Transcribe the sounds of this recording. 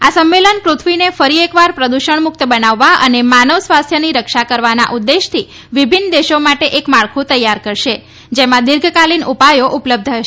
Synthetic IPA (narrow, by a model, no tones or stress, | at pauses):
asəmːelənkɾut̪ʰʋinefəɾiekʋaɾpɾəd̪uʃəɳmʊk̚t̪əbənaʋːaənemanəʋsʋast̪ʰjəniɾəkʃakəɾʋana̰ʔud̪ːeʃt̪ʰi | ʋibʱinːəd̪eʃomaʈeʔekmaɭkʰũt̪əjːaɾkəɾʃe | d͡ʒemãd̪ɪɾɡʱkalinupajoʔupləb̚d̪ʱəʃ